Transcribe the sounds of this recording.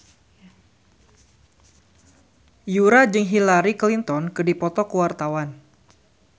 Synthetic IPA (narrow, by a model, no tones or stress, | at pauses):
juɾad͡ʒɨŋɦilaɾiklint̪ɔnkɨdipɔt̪ɔkəwart̪awan